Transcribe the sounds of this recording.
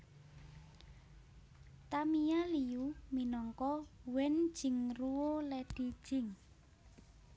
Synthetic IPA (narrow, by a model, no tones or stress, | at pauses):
t̪amijaliuminɔŋkɔwɛn̥ʒ̥ɪ̤ŋruwolɛd̥id̥ʒ̥ɪ̤ŋ